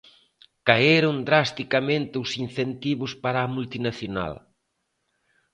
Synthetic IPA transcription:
kaeɾʊnd̪ɾast̪ikamẽnt̪ɪʊsinθent̪iβʊspaɾaːmult̪inaθjona̰l

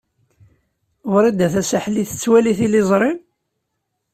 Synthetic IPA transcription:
ʊɾæd̪æθæsaħliθət͡sːwæliθilizˤɾˤɪm

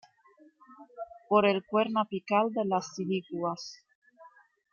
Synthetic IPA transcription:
poɾelkweɾnapikald̪elasilikwas

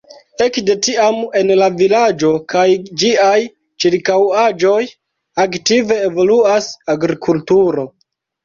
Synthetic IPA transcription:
e̞kde̞tiame̞nlavilad͡ʒo̞kajd͡ʒiaj | t͡ʃiɾkawad͡ʒo̞j | aktive̞ːvo̞luasaɡɾikʰultuɾo̞

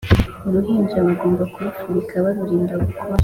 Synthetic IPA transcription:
uɾuɦiːɲd͡ʒaβaɡo̞ːmbakuɾufuɾikʰaβaɾuɾiːndaβukʰoɾa

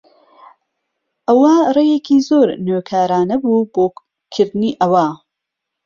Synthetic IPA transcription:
ʔɐwɐrejeːkʰizoːɾnøːkʰaːɾaːnɐbuːboː | kʰɨɾd̪ɨniːʔɐwaː

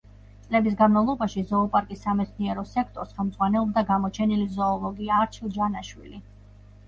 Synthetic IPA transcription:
t̪sʼlɛbis̬ɡanmavlˠɔbaʃizɔːpʼaɾkʼisːamɛt̪sʰniɛɾɔsɛkʰt̪ʼɔɾsχɛlˠmd̪z̥ʼʁwanɛlˠɔb̚d̪aɡamɔt͡ʃʰɛnilizɔːlˠɔɡiaːɾt͡ʃʰilˠd͡ʒanaʃwḭli

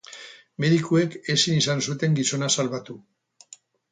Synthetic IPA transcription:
me̞ðikue̞ke̞sinisansut̪e̞ŋɡiso̞nasalβat̪u

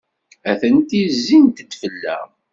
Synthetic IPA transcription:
æθənt̪izːint̪əd̪fəlːæ̰

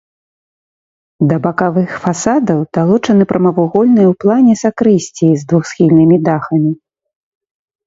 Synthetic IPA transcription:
d̪ɐbɐkavɨxfasad̪ɐwd̪̥alˠɔt͡ʂɐnɨpɾʔɐmɐvuɣɔlʲnɨjɐwplˠanʲɛsakɾɨsʲt͡sʲizd̪vuxsxʲilʲnɨmʲid̪axɐmʲi

